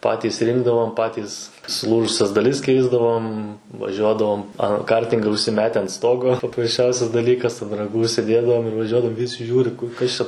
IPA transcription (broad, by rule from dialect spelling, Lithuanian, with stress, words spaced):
ˈpɑːtʲiːs rʲɪŋɡdɐʋoːm ˈpɑːtʲiːs sʊˈlˠuːʒʊsʲɛs dɐˈlʲɪs ˈkʲɛɪzdɐʋoːm ʋɐˈʒʲuɔdɐʋoːm ɐ ˈkɐrʲtʲɪŋɡɐ ʊʃʲsʲɪˈmʲæːtʲɛ ɐnt ˈstoːɡoː pɐprɐsʲˈt͡ʃʲɛʊsʲɛs dɐˈlʲiːkɐs ɐn rɐˈɡuː ʊʃʲsʲɪˈdʲeːdɐʋoːm ɪr ʋɐˈʒʲuɔdɐʋoːm ˈʋʲɪsʲɪ ˈʒʲuːrʲɪ ˈkʊr ˈkɐs t͡ʃʲɛ